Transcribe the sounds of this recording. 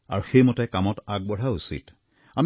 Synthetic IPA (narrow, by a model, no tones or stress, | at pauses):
a̰ɹuxejmɔtɛkamɔtaɡ̚bɔɹausḭt | am